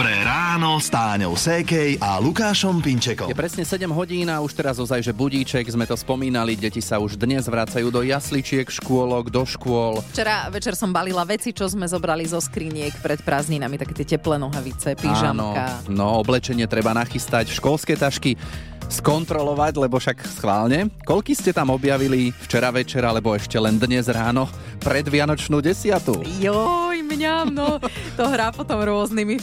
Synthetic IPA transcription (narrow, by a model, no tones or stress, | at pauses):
pɾɛɾaːnɔst̪aːɲɔ̰ʊsɛkɛjʔalukaːʃɔmpiɲt͡ʃɛkɔ̰jɛpɾɛsɲɛsɛɟɛmɦɔɟiːnauʃt̪ɛɾazɔzajʒɛbuɟiːt͡ʃɛɡzmɛt̪ɔspɔmiːnaliɟɛcisauʒd̪ɲɛzʋɾaːt͡sajuːd̪ɔjaslit͡ʃɪɛkʃkʊɔlɔɡd̪ɔʃkʊɔlft͡ʃɛɾaʋɛt͡ʃɛɾsɔmbalilaʋɛt͡sit͡ʃɔzmɛzɔbɾalizɔskɾiːɲɪɛkpɾɛt̪pɾaːzɲinamit̪akɛːt̪ɪɛcɛplɛnɔɦaʋit͡sɛpiʒanɔkanɔɔblɛt͡ʃɛɲɪɛt̪ɾɛbanaxist̪acʃkɔlskɛt̪aʃki | skɔnt̪ɾɔlɔʋaɟlɛbɔfʃaksxʋaːlɲɛkɔlkiscɛt̪amɔbjaʋilift͡ʃɛɾaʋɛt͡ʃɛɾalɛbɔɛʃcɛlɛnd̪ɲɛzɾaːnɔ | pɾɛd̪ʋɪanɔt͡ʃnuːɟɛsɪat̪ujɔjmɲanɔt̪ɔɦɾaːpɔt̪ɔmɾʊɔznimi